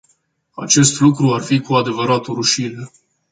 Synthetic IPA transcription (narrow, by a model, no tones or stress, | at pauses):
a̰t͡ʃe̞st̪lukɾuarfikuad̪e̞vəɾat̪oɾuʃine